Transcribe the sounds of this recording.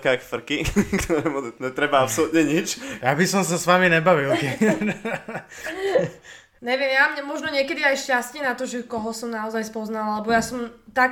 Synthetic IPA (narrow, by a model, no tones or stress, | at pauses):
kakfr̩kikt̪ʰɔɾɛmɔɲɛt̪ɾɛbaapsɔlut̪ɲɛɲit͡ʃjabisɔms̬asʋaminɛbaʋilkɛ | ɲɛʋɪɛmjamɲɛmɔʒnɔɲɪɛkɛd̪iajʃcascɪɛnat̪ɔʒɛkɔɦɔsɔmnaɔzajspɔznalalɛbɔjasɔmt̪ak